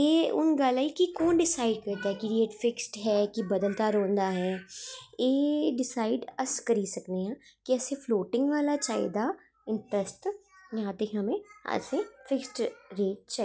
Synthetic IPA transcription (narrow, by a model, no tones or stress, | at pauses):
eːʊ̰nɡaːlaːikikoːnɖɪsaːɪɖ̚kəɾd̪aɦɛkiɾeːʈfɪksʈɦɛːkibəd̪əlt̪aːɾõːnd̪aːɦɛːeːɖɪsaːɪɖəskəɾiːsəkneãːkiəsẽpʰloːʈɪ̃ŋɡʋaːlat͡ʃaːḛd̪aː | ɪ̃ɳʈɾəsʈjãːt̪eɦəmẽə̰sefʰɪksʈɾeːʈ̚t͡ʃa